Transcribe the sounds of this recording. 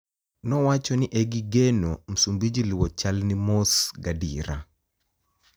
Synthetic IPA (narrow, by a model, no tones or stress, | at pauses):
nɔwat͡ʃɔnɪʔɛɡɪɡenom̩sumbid͡ʒilwɔt͡ʃalnimosɡadiɾa̰